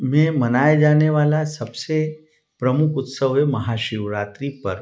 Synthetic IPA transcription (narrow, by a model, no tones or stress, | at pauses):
mẽmənajd͡ʒaneʋalasəbse | pɾəmukʰʊt̪səʋeməɦaʃiʋɾat̪ɾipəɾ